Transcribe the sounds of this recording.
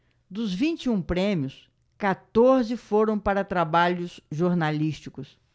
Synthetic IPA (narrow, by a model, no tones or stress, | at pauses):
d̪ʊzvĩnt͡ʃiũpɾẽmiʊs | kat̪oɾzɪfoɾɐ̃w̃paɾɐt̪ɾabaʎʊsʒoɾnaliʃt͡ʃikʊs